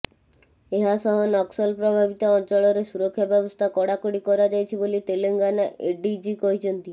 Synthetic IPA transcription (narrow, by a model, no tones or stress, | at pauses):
eɦasɔɦɔnɔksɔlpɾɔbʱabit̪ɔɔnt͡ʃɔɭɔɾesuɾɔkʰːjabjɔbɔst̪ʰakɔɽakoɽikɔɾad͡ʒajt͡ʃʰibolit̪eleŋɡanaʔeɖid͡ʒikɔɦit͡ʃʰɔnt̪i